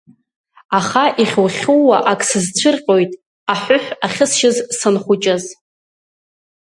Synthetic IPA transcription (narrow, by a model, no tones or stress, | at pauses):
aχaʔiχʲwχʲuwaʔakʼsɨzt͡ɕʷʰɨrqʲʼo̞jtʼ | aħʷʊħʷᶣaχʲɪsʃɪzsɨnχʷʊt͡ʃʼaz